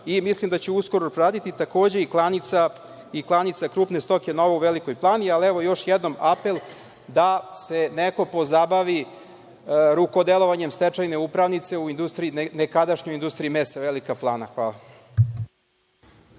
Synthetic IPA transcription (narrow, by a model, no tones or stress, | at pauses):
imislimd̪at͡ɕeusko̞ɾoɾaːd̪it̪it̪ako̞ːd͡ʑe̞iklˠanit̪sa | iklˠanit̪sakɾuːpne̞st̪o̞ke̞no̞ʋeuʋelikojplˠaːnialiɛʋo̞jo̞ʂjed̪no̞mape̞lˠ | d̪ase̞neko̞po̞zabaʋi | ɾukod̪elˠo̞ʋaɲe̞mst̪et͡ʂajne̞upɾaʋnit̪se̞uind̪ust̪ɾiinnekad̪aʃɲojind̪ust̪ɾiimesaʋelikaplˠaːnaxʋaːlˠa